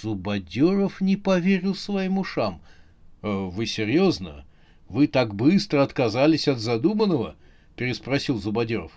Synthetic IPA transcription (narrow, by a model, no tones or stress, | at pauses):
z̥ʊbɐdʲoɾəfnʲɪpɐvʲeɾʲɪlˠsvɐjimʊʂam | avɨsʲɪrʲjo̞znə̰ | vɨt̪aɡbɨst̪ɾəɐt̪kɐzalʲɪsʲɐd̪zɐd̪umənːəvə | pʲɪɾʲɪspɾɐsʲilˠzʊbɐdʲoɾə̰f